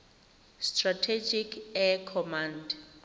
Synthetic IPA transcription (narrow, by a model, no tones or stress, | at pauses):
stratʰed͡ʒikʰɛkʰɔmãnd